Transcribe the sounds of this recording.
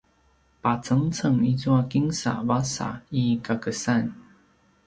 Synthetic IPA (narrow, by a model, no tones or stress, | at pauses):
pat͡sɤŋt͡sʰɤŋit͡swɔkiŋsa̰wasa̰ikakəsan